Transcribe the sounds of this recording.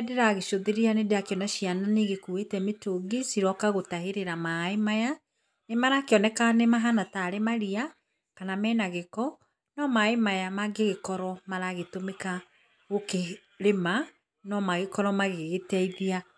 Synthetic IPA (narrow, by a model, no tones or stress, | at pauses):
ɛdeɾaɣeʃoðeɾeanedeakeɔnaʃiananeɣekuetɛmetoɡesiɾɔkaɣotaheɾeɾamaemaja | nemaɾakeɔnɛkanemaɦanataːɾemaɾia | kanamɛːnaɣekɔ | nɔmaemajamaɡeɣekɔɾɔmaɾaɣetomeka | ɣoke | ɾema | nɔmaɣekɔɾɔmaɣeɣetɛiðia